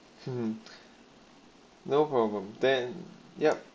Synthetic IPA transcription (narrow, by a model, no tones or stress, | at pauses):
noʊpʰɹ̥ɔblə̃md̪ɛ̃njɛp̚